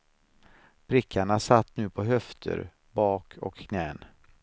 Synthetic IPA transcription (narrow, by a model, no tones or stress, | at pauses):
b̥ɾɪkʰːaɳasat̪ːnʉ̟ːpʰɔɦœft̪ʰə̰ɾ | bɑːkʰɔ̰kːnɛːn